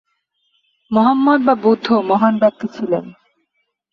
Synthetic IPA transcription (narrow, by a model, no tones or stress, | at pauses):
mɔɦamːɔd̪̚babud̪ʱːomɔɦanbɛk̚t̪it͡ɕʰilen